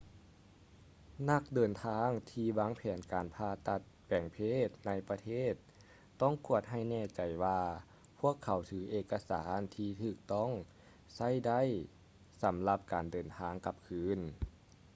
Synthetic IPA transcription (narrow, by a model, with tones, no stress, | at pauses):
na˧˩k̚dɤː˨˩nt̪ʰaː˧˥ŋt̪ʰiː˧waː˧˥ŋpʰɛː˨˦nkaː˨˩npʰaː˧˩t̪a˧t̪̚pɛː˨˩ŋpʰeː˧˥˩t̪̚na˧˩jpa˧t̪ʰeː˧˥˩t̪ː | ɔ˧˥˩ŋku˧˩ət̪̚ɦa˧˥˩jnɛː˧˩t͡ɕa˨˩jwaː˧ | pʰu˥˩əkʰːa˨˦wt̪ʰɯː˨˦ʔeː˧˩kːa˧sa̰ː˩˦nt̪ʰiː˧t̪ʰɯː˧˩k̚t̪ɔ˥˩˨ŋ | sa˧˥˩jda˧˥˩j | sa˨˦mla˧p̚kaː˨ndɤː˨nt̪ʰaː˧˥ŋka˧p̚kʰɯː˧˥n